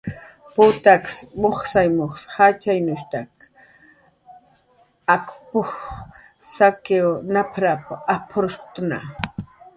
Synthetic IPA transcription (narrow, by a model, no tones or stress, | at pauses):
pʊt̪aksmoχsajmoχshat͡ʃajnʊʃt̪ak | akpʊx | sakewnapʰɾapaapʰʊɾʊst̪na̰